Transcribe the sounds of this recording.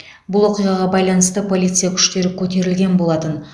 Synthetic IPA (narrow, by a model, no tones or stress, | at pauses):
bʊlˠwo̞qijʁɑʁɑbɑjlˠɑnəst̪əpʰo̞lʲˠit̪sɨjakʲʰʏ̥ʃt̪e̞ɾɪkʲʰɵt̪e̞ɾɪlɡʲe̞nbo̞lˠɑt̪ən